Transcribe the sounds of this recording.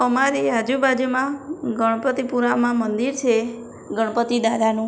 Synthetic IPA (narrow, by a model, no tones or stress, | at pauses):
əmaɾiad͡ʒubad͡ʒmãɡəɽ̃pət̪ipuɾamãmənd̪iɾt͡ʃʰe | ɡəɽ̃pət̪id̪ad̪anũ